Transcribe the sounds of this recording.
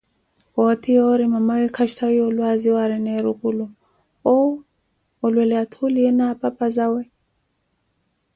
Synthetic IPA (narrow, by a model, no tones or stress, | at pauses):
wɔtiɔɾimamawɛkʰaʃtʰawiɔlwaziwaɾɛnɛɾukulu | ɔ | ɔlwɛlɛatʰuliɛnapapazawɛ